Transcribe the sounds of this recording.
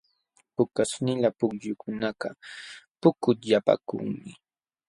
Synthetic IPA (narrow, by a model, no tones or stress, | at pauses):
pʊkasnɪlapʊkʎʊkʊnakapʊkʊt̪ʎapa̰kʊ̰ŋmɪ